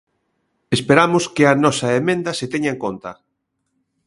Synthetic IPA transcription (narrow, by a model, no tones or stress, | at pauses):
espeɾamʊskɪɐnɔsɐemẽnd̪ɐset̪eɲaeŋkont̪ɐ